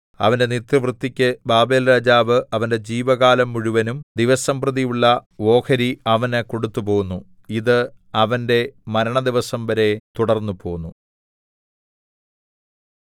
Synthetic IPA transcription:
ɐ̰ʋɐnde̞nit̪ɐʋrɨt̪ːikʲːɨbaːbe̞ːlɾaːd͡ʑaːʋɨʔɐʋɐnde̞d͡ʑiːʋɐɣaːlɐmːuɻuʋɐnumd̪iʋɐsɐmprɐðijuɭːɐʋo̞ːkʰɐɾiɐʋɐnɨko̞ɽut̪ːupo̞ːɣunːu | iðɨ | ɐʋɐnde̞mɐɾɐɳɐd̪iʋɐsɐmʋɐɾe̞t̪uɽɐrnːupo̞ːunːu

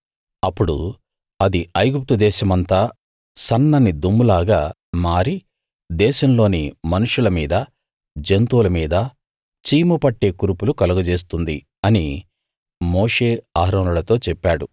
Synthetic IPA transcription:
ɐpːuɽṵ | ɐd̪iɐjɡup̚t̪ud̪ɛːʃɐmɐnt̪aː | sɐnːɐnːid̪omːulaːɡaː | maːɾi | d̪ɛːʃɐmlo̞ːnimɐnuʂulɐmiːd̪ɐ | d͡ʒent̪uːlɐmiːd̪ɐ | t͡ʃiːmupɐʈːe̞ːkuɾupulukɐluɡɐd͡ʒe̞ːs̬t̪und̪i | ɐni | mo̞ːʂeːaːɦɾɐːnulɐt̪o̞ːt͡ʃɛpːaːɽṵ

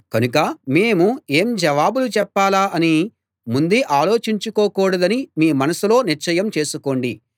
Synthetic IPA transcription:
kɐnukɐme̞ːmue̞ːmd͡ʒɐʋaːbulut͡ʃɛpːaːlaːʔɐni | mund̪eʔaːlo̞ːt͡ʃiɲt͡ʃukoːkuːɽɐd̪ɐnimiːmɐnɐsulo̞ːniɾt͡ʃɐjɐmt͡ʃe̞ːsuko̞ːɳɖi

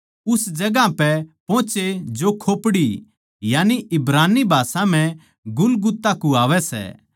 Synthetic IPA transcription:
ʊsd͡ʒɐɡãpɛpõːt͡ʃed͡ʒokʰoːpɽi | jaːniʔɪbɾaːnibʱaːsãm̤ɛ̃ | ɡʊlɡʊt̪ːakuaːʋɛsɛ̰ː

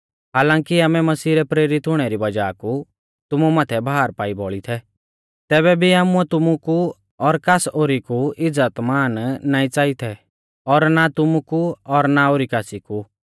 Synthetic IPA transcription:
ɦaːlãːŋkiaːmɛmɐsiːɾɛpɾeːɾɪt̪ɦʊɽ̃ɛɾibɐd͡ʒaːku | t̪ʊmumaːt̪ʰɛbʱaːɾpaːibɔɭit̪ʰɛ | t̪ɛːβɛbʱiaːmuɛt̪ʊmuku | ɔɾkasoːɾikuɪd͡zːət̪maːnːaːĩt͡saːit̪ʰɛ | ɔɾnat̪ʊmukuɔɾnaoːɾikaːsiku

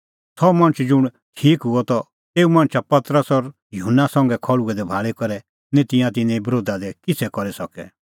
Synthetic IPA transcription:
tʰɔmɐ̃ñt͡ʃʰd͡ʒʊɽ̃ | ʈʰiːkɦʊɔt̪ɔ | eːumɐ̃ːt͡ʃʰapɐt̪ɾəsɔɾ | jʊɦnːasɐ̃ŋɡɛkʰɔɭuɡɛd̪ɛbʱaːɭɛkɔɾɛ | nɛ̃t̪ɪ̃jãt̪ɪ̃nɛ̃ibɾoːd̪ad̪ɛkɪt͡sʰɛkɔɾisɔkɛ̰

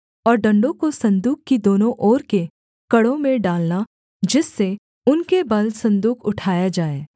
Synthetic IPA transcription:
ɔːɾɖɐ̃ɳɖõkosɐ̃nd̪uːkkid̪oːnõʔɔːɾke | kɐɽõmẽɖaːlna | d͡ʒɪsːe | ʊnkebɐlsɐ̃nd̪uːkʰʊʈʰaːjad͡ʒaːeː

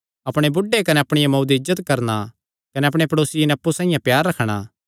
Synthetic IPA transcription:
ɐpɽ̃ebʊɖekɐneɐpɽ̃ɪjamɐwd̪iɪzːət̪kɐɾna | kɐneɐpɽ̃epɐɽoːsɪinɛɐpːusãːɪ̃jãpjaːɾːɐkʰɽ̃a̰

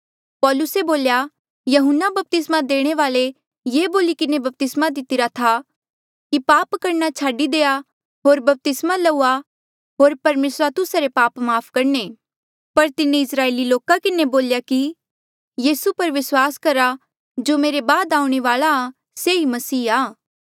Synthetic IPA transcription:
pɔːlʊseboːlja | jɐɦʊnːabɐp̚t̪ɪsmad̪eːɽ̃eʋaːle | jeːboːlikɪnebɐp̚t̪ɪsmad̪ɪt̪ɪɾat̪ʰa | kipaːpkɐɾnat͡ʃʰaːɖid̪eːa | ɦoːɾbɐp̚t̪ɪsmalɐua | ɦoːɾpɐɾmeːsɾat̪ʊsaɾepaːpmaːpʰkɐɾɳe | pɐɾt̪ɪnẽɪsɾaːeːliloːkakɪneboːljaki | jiːsupɐɾʋɪswaːskɐɾa | d͡ʒoːmeːɾebaːd̪aːũɽ̃eʋaːlaː | seimɐsiːaː

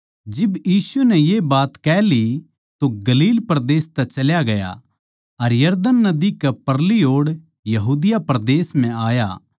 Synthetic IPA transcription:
d͡ʒɪbjiːsʊnɛjebaːt̪kɛːli | t̪oɡɐliːlpɾd̪eːst̪ɛt͡ʃɐljaɡɐja̰ | ɐɾjɐɾd̪ənːɐd̪ikɛpɐɾlioːɽ | jɐɦuːd̪ɪjapɾd̪eːsm̤ɛ̃aːja̰

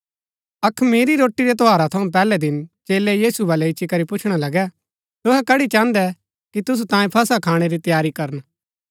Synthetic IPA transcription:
ɐkʰmeːɾiɾoːʈːiɾɛt̪oaːɾat̪ʰɐũp̬ɛːlɛd̪ɪnt͡ʃeːlɛjiːsubɐlɛɪʃʰikɐɾipʊt͡ʃʰɽ̃alɐɡɛ | t̪ʊɦɛkɐɽit͡ʃãːnd̪ɛ | kit̪ʊs̬ut̪ãːĩpʰɐsakʰaːɽ̃eɾit̪jaːɾikɐɾən

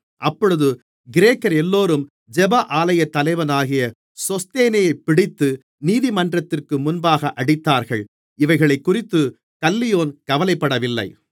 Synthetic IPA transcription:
ʔɐpːɔɻɯðɯ | ɡɪɾeːkːɐɾɛlːoːɾɯm | d͡ʒɛbaʔaːlɐjɐt̪ːɐlɐɪʋɐnaːɣɪjɐ | sɔst̪eːnɐjɐɪpːɪɽɪt̪ːɯ | niːðɪmɐndrɐt̪ːɪrkɯmʊnbaːɣɐʔɐɽɪt̪ːaːɾɣɐɭ | ɪʋɐɪɣɐɭɐɪkːʊrɪt̪ːɯ | kɐlːɪjoːnkɐʋɐlɐɪpːɐɽɐʋɪlːɐ̰ɪ

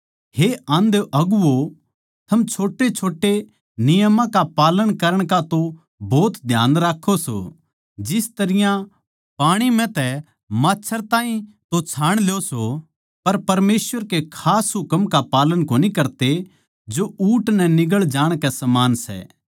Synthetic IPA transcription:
heãːnd̪ʔɐɡuo | t̪ʰɐmt͡ʃʰoːʈet͡ʃʰoːʈːe | nɪjəmãkapaːləɽ̃kɐɾəɽ̃kat̪o | bɔːt̪d̪ʱja̰ːnɾaːkʰːoso̰ | d͡ʒɪst̪ɐɾɪjã | paːɽ̃imɛ̃t̪ɛ | maːtːt͡ʃʰəɾt̪ãːĩt̪ot͡ʃʰaːɽ̃ljoso | pɐɾpɐɾmeːsʋəɾkekʰaːsɦʊkəmkapaːləɽ̃koːnikɐɾt̪e | d͡ʒouːʈnɛnɪɡəɭd͡ʒaːɽ̃kɛsɐmaːnsɛ̰ː

